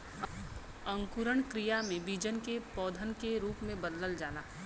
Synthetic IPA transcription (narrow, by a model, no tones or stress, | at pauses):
ə̃ŋkuɾəɳ̃kɾijamẽbid͡ʒənkepɔːd̪ʱənkeɾuːpmẽbəd̪ləld͡ʒaːnaː